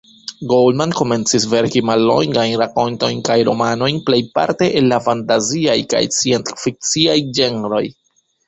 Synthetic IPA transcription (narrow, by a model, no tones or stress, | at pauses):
ɡolmanko̞me̞nt͡sisve̞ɾkimalːo̞̰ŋɡajnɾako̞nto̞jnkajɾo̞̰mano̞jnple̞jpa̰ɾte̞ʔenlafantaziajka̰jt͡siensfik̚t͡siajd͡ʒe̞neɾo̞j